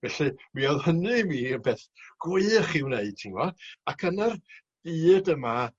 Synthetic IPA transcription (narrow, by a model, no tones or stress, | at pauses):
vɛɬimiɔðhənɨmiːəbɛːθɡ̥wɪχɪwneɨd̥̚tʰiŋwɔakʰənar | d̥iːdəma